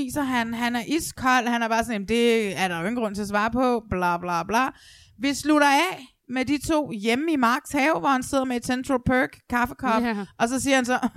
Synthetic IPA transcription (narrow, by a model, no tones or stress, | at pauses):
ḭːsɐɦænɦænæɐʔiskʰɒ̽l̰hænæɐb̥ɑ̈ːsɒ̽njem̩d̥e̝æɐɾ̥ɑ̈joe̝ɡŋn̩ɡʁɔ̽n̰t͡sʰe̝ɐs̬ʋɑ̈ːpʰɒ̽b̥lɑ̈ːb̥lɑ̈ːb̥lɑ̈ː | ʋisluɾɐɛ | med̥it͡sʰo̝̰ːjeməimɑ̈ːɡ̥shɛːʊʋɒhænse̝ð̞̰ˠɐmee̝d̥sent͡sʰʁolpʰøɡ̥kʰːɑfə̥kʰɒ̥̽ʔɒ̽sɒ̽siːɐhænsɒ̽